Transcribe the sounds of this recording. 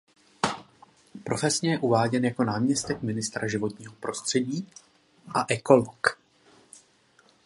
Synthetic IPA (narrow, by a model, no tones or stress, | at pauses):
pɾo̞fɛsɲɛjɛʔuvaːɟɛnjako̞naːmɲɛst̪ɛkmɪnɪst̪ɾaʒɪvo̞t̪ɲiːɦo̞pɾo̞st̪r̥ɛɟiː | ʔaʔɛko̞lok